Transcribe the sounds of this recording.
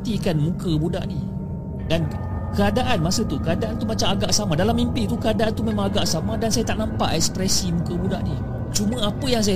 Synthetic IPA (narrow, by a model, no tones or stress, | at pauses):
t̪ikanmũkəbuda̰ʔni | dan | kəadaʔanmasət̪ukəadaʔant̪umat͡ʃamaɡaʔsamãdalamːimpit̪ukəadaʔant̪umẽmãŋaɡaʔsamãdansajat̪aʔnampa̰ʔɛkspɾɛsimũkəbudaʔni | t͡ʃumə̃apəjaŋs̬aja